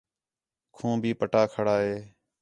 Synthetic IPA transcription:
kʰũːbʱiːpəʈaːkʰəɽaːɦeː

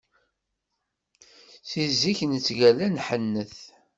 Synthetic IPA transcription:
θizːiçnət͡sːʝælænħənːəθ

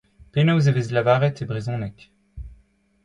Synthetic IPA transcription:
penowzevezlavaʁɛt̪ebʁizɔ̃nɛkʲ

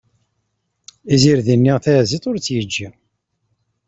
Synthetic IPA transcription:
iziɾðinːiʁθæzit̪ˤʊɾt͡sːjəd͡ʒːi

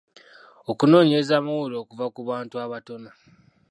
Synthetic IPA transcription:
o̞kuno̞ːɲezamawuloːkuvakuβaːntuaβato̞na

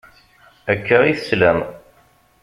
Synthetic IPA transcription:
ækːəʁiθə̥slæm

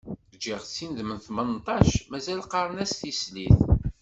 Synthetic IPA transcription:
d͡ʒiʁt͡sːinðmənθmənt̪ˤɑʃmæzælqɑɾˤənæst̪isliθ

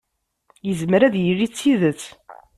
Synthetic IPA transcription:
jəzmɾæðjərːit͡sːiðət͡sː

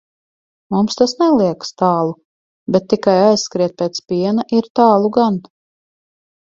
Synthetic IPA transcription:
mumst̪asnɛlˠiɛkst̪ɑːlˠu | bɛt̪ːikajajssːkɾiɛt̪̚pʲeːt̪spiɛnaʔiɾt̪aːlˠuɡan

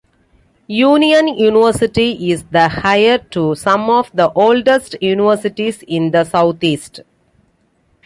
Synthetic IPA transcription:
juːniə̃njuːnɪʋəɾsɪʈiʔɪsd̪əhaɪəɾʈusʌ̃mɔːʋd̪əʔoːlɖesʈjuːnɪʋəɾsɪʈisɪ̃nd̪əsaʊt̪ʰiːsʈ

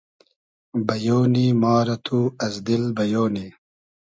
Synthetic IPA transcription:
bɐjoːniːmaːɾɐt̪ʰuːɐzd̪ilbɐjoːni

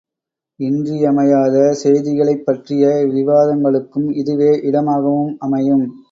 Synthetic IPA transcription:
ɪndriɐmɐjaːðɐsɛjðɪɣɐɭɐɪpːɐʈrɪjɐʋɪʋaːðɐŋɡɐɭɯkːɯmɪðɯʋeːʔɪɽɐmaːɣɐʋɯmɐmɐjɯm

